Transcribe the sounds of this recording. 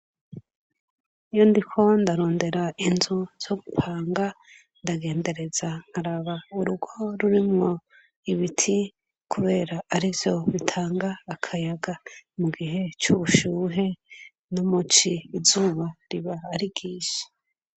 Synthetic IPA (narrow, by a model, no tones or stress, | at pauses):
ijondikʰo̞ndaɾo̞ːnde̞ɾainzuz̥o̞ɡupʰaːŋɡa | ndaɡe̞ːnde̞ɾe̞zaŋ̥haɾaβauɾuɡo̞ɾuɾimŋo̞ | iβitʰi | kʰuβe̞ːɾaːɾivjo̞βitʰaːŋɡaːkʰajaɡamuɡiɦe̞t͡ʃuβuʃuːɦe̞ | numut͡ʃiːzuːβaɾiβaːɾiɡiːʃi̥